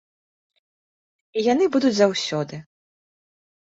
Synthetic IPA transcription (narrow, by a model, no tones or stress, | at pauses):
ijanɨbud̪ud͡zʲzawsʲɔd̪ɨ